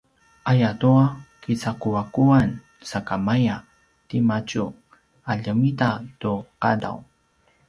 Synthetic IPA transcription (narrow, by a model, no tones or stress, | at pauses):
ajat̪uakit͡sakuwakuwan | sakamaja | t̪imat͡ʃu | aʎəmit̪at̪uqad̪a̰w